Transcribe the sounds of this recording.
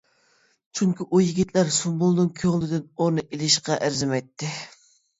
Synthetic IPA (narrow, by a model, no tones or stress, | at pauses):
t͡ʃʰyŋkʲiʔujiɡʲit̪læɾsumbulˠnɨŋkʲʰøʁlˠɪd̪ɪnonɨʔelɪʃqɑʔæɾzɪmɛjt̪ʰːɪ